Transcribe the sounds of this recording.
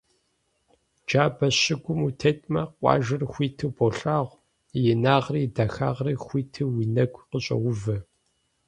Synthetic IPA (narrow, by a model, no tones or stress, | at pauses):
d͡ʒaːbɐɕɪɡʷʊmutʰeːtʼmɐqʷʼɑ̰ːʒɨrxʷiːtʰɨboɬaːʁʷ | jɪnaːʁriːdɐxa̰ːʁriːxʷiːtʰɨwiːnɐɡʷqəɕʼɐ̰wʊvɐ